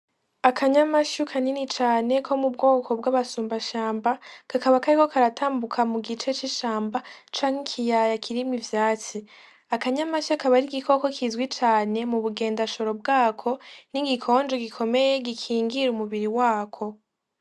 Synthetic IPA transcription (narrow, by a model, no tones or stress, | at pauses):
akʰaɲamaʃukʰaninit͡ʃaːne̞kʰo̞mubɡo̞ːkʰo̞bɡaːβasuːmbaʃaːmbakakaβakaɾiko̞kaɾataːmbukʰamuɡit͡ʃe̞t͡ʃiʃaːmbat͡ʃaːŋ̥ikʰijajakʰiɾimŋivjaːt͡si | akaɲamaʃakaβaɾiɡiko̞ko̞kʰizɡwit͡ʃaːne̞muβuɡe̞ːndaʃo̞ɾo̞b̚ɡaːkʰo̞niɡikʰo̞ːnd͡ʒoɡikʰo̞me̞je̞ɡikʰiːŋɡiɾumuβiɾiwaːkʰo̞